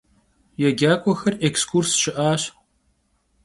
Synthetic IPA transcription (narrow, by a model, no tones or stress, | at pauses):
jɛɡʲaːkʷʼɔxɐrʔekskʰursʃɪʔaːɕ